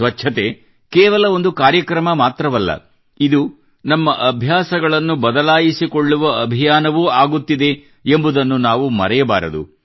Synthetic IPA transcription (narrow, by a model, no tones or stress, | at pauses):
ʋɐtːʃʰɐt̪e̞ | kɛːʋɐlɐo̞nd̪ukaːɾjɐkɾɐmɐmaːt̪ɾɐʋɐlːɐ̰ | id̪u | nɐmːɐʔɐbʱjaːsɐɡɐɭɐnːubɐd̪ɐlaːjisikoɭːuʋɐɐbʱijaːnɐʋuːaːɡut̪ːid̪e̞ | embud̪ɐnːunaːʋumɐ̰ɾɛjɐbaːɾɐd̪ṵ